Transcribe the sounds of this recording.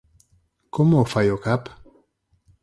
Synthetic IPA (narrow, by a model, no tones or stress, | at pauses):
komofajokap